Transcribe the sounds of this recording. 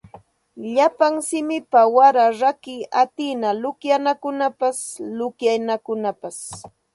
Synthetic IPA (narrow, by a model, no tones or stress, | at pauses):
ʎapaŋsɪmɪpawaɾaɾakɪat̪ɪnalʊkjanakʊnapaslʊkjajnakʊnapas